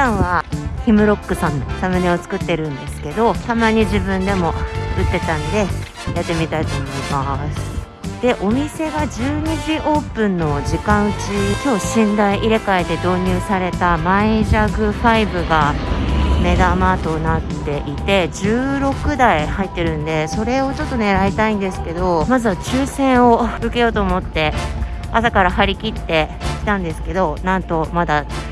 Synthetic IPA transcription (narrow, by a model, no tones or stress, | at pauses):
ãɰ̃βaçimɯ̟ɾo̞kːɯ̟sãnsamɯ̟neo̞t͡sɨ̥kɯ̟t̪ːe̞ɾɯ̟̃nd̪e̞sɨ̥ke̞d̪o̞t̪amaɲ̟iʑibɯ̟̃nd̪e̞mo̞ɯt̪ːe̞t̪ãnod̪e̞ | jat̪ːe̞mʲit̪ait̪o̞ːmo̞imasɨ̥ | d̪̥e̞ʔo̞mʲise̞ɡad͡ʑɨːɲ̟iʑiʔo̞ːpɯ̟̃nːo̞ʑikãɰ̃ɯ̟t͡ɕisoːɕĩnd̪aiʔiɾe̞kaed̪e̞d̪o̞ːɲ̟ɯːsaɾe̞t̪amaiʑaɡɯ̟ɸaibɯ̟ɡa | me̞d̪amaːt̪o̞nat̪ːe̞ʔit̪e̞ʑɨːɾo̞kɯ̟d̪aihait̪ːe̞ɾɯ̟̃nd̪e̞so̞ɾe̞o̞t͡ɕo̞t̪ːo̞ne̞ɾait̪aĩnd̪e̞sɨ̥ke̞d̪o̞mazɨβat͡ɕɨːsẽ̞ɰ̃o̞ɯ̟ke̞jo̞ːt̪o̞ːmo̞t̪ːe̞ | asakaɾahaɾʲikʲit̪ːe̞kʲi̥t̪ãnd̪e̞sɨ̥ke̞d̪o̞nãnt̪o̞mad̪a